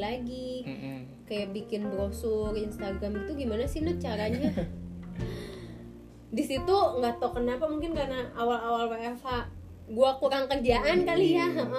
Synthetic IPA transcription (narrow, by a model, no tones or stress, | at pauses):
laɡi | kajaʔbikɪnbəɾosʊrinst̪aɡɾamit̪uɡimanasinʊt͡ʃaɾaɲa | disit̪uŋɡat̪ɔkənapamuŋkɪnkarnaːwalawalwaafa | ɡuakuɾaŋkərd͡ʒaʔankalijaə